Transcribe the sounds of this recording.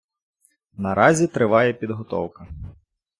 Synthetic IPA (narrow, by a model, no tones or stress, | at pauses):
nɐɾɑzʲit̪ɾɪʋɑjɛpʲid̪ɦɔt̪ɔ̰wkɐ